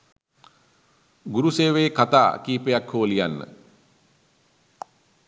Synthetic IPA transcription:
ɡuɾuseːʋeːkat̪a̰ːkiːpejakhoːəlijanːə̰

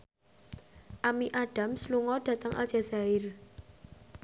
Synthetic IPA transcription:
ʔamiʔaɖ̥a̤msluŋɔɖ̥ä̤t̪əŋʔa̰lʒ̥a̤zaɪr

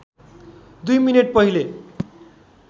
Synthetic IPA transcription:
d̪ujmineʈ̚pʌɦile

